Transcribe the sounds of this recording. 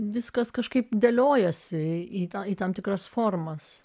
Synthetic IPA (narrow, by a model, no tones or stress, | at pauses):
ʋʲɪskɐskɐʃkɐɪpd̪ʲelʲoːjɛsʲɪiːt̪ɐiːt̪ɐmt̪ʲɪkɾɐsfoːrmɐs